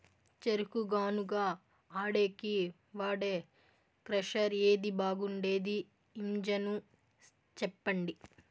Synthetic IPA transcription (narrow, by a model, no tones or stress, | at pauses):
t͡ʃeɾukuɡaːnuɡaː | aːɽe̞ːki | ʋaːɽeː | kɾɐʂɐɾeːd̪ibaːɡuɳɖe̞ːd̪iː | md͡ʒɐnu | t͡ʃɛpːɐɳɖi